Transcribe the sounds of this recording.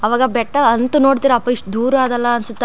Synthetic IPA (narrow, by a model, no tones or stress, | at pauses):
ɐʋaːɡɐbɛʈːɐɐnt̪uno̞ːɽt̪iːɾɐːpːɐiʂʈud̪uːɾuaːd̪ɐlːɐɐnsut̪ː